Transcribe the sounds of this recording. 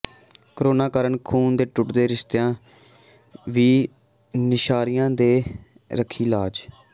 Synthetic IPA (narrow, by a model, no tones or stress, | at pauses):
kɾoːnaːkaːɾəɳkʰuːnd̪eːʈʊʈd̪eːɾɪst̪ːãː | ʋiː | nɪʃaːɾɪjãːd̪eː | ɾəkʰiːlaːd͡ʒ